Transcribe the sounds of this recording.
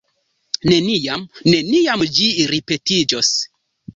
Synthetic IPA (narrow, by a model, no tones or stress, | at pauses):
ne̞nijamne̞niamd͡ʒiɾipe̞tid͡ʒos